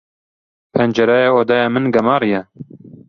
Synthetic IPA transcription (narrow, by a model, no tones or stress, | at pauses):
pʰɛnd͡ʒɛɾɛjeoːd̪ɑjɑːmɨnɡɐmɑːɾijɛ